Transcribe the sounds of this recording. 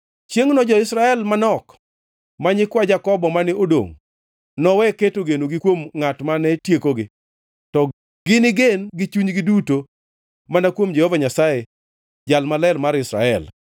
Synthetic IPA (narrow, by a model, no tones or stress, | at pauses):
t͡ʃjeŋnɔd͡ʒɔɪsɾaɛlmanɔk | maɲɪkwad͡ʒakɔbɔmanɪʔodo̰ŋ | nɔwɛketoɡenoɡɪkwomŋatmanɛtjekoɡɪ | tɔ | ɡɪnɪɡenɡɪt͡ʃuɲɡɪduto | manakwomd͡ʒɛhovaɲasaje | d͡ʒalmalɛlmaɾɪsɾa̰ɛ̰l